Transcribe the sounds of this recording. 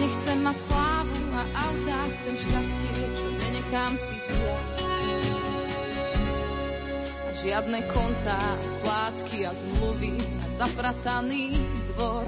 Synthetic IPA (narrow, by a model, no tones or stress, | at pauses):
ɲɛxt͡sɛmːacslaːʋuaʔaʊtaxt͡sɛmʃcascɪɛt͡ʃɔɲɛɲɛxaːmsifzɪa | aʒɪad̪nɛkʰɔnt̪asplaːt̪kiazmluʋia̰zapɾat̪aniːd̪ʋɔɾ